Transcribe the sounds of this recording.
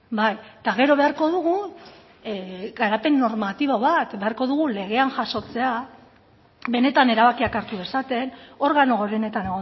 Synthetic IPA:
bajt̪aɣe̞ɾo̞βe̞aɾko̞ð̞uɣ̞u | ɣaɾape̞nːo̞ɾmat̪iβoβat̪be̞aɾkoðuɣule̞ɣe̞anʝaso̞t͡se̞a | be̞ne̞t̪ane̞ɾaβ̞akiakaɾt̪uðe̞sat̪e̞no̞ɾɣano̞ɣoɾene̞t̪ane̞ɣo

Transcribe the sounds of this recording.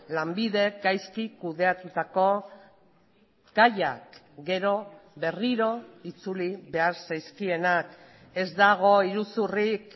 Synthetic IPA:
lambiðe̞kɡajskikuð̞e̞at̪ut̪ako̞ | ɡ̥aja̰k | ɡe̞ɾo̞βe̞riɾo̞it͡suliβe̞aɾsajskie̞nak | e̞zd̪aɣ̞o̞iɾusurik

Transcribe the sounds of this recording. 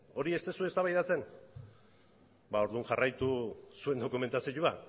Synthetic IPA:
o̞ɾie̞st̪e̞sue̞st̪aβajðat͡se̞n | bao̞ɾðuŋʝarajt̪usue̞nd̪o̞kume̞nt̪asiʎua

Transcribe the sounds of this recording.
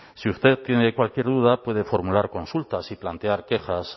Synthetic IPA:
siust̪e̞tt̪ːje̞nekwalkje̞ɾðuð̞apwe̞ð̞e̞fo̞ɾmulaɾko̞nsult̪asiplant̪eaɾke̞xas

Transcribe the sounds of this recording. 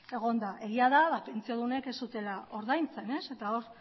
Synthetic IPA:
e̞ɣ̞o̞nd̪aʔe̞ɣiaðaβape̞nt͡sioðune̞ke̞st̪ut̪e̞lao̞ɾðajnt͡se̞ne̞se̞t̪ao̞ɾ

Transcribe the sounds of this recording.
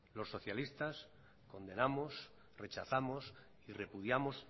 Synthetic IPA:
lo̞sːo̞θjalist̪as | ko̞nd̪enamos | re̞t͡ʃaθamos | ire̞puð̞jamo̞s

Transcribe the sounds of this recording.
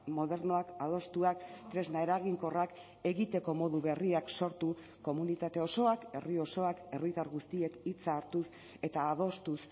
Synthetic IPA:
mo̞ðe̞ɾno̞akað̞o̞st̪uakt̪ɾe̞znae̞ɾaɣiŋko̞rak | e̞ɣit̪e̞ko̞mo̞ðuβe̞riakso̞ɾt̪u | ko̞munit̪at̪e̞o̞so̞ake̞rio̞so̞ake̞rit̪aɾɣust̪ie̞kit͡saːɾt̪us | e̞t̪aːð̞o̞st̪us

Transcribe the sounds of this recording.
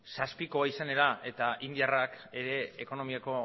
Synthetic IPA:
saspiko̞aisane̞ɾaʔe̞t̪aʔind̪iarake̞ɾe̞ːko̞no̞miako̞

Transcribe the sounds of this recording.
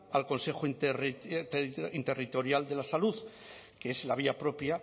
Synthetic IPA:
alko̞nsexonr | int̪e̞rit̪o̞ɾjald̪e̞lasaluð | keeslaβ̞iapɾo̞pja

